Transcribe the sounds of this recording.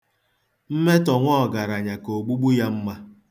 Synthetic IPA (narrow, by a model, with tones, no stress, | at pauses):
m̩˦me˦tɔ˨ŋʷɔ˦˨ɡa˨ɾa˨ɲa˨ko˨ɡ͡bu˦ɡ͡bu˦ja˦m̩˦ma˦